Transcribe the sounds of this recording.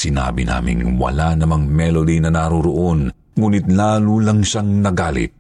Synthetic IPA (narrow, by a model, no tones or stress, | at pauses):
sɪna̰ːbɪna̰ːmɪ̰ŋwɐ̰lanɐmɐŋmɛlod̪inɐnɐɾoɾoʔon | ŋuːnɪt̪̚laːlulɐŋʃaŋnɐɡaːlɪ̰t̪̚